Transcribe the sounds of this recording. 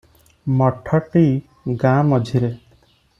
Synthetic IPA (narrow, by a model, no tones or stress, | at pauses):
mɔʈʰɔʈi | ɡãmɔd͡ʒʱiɾe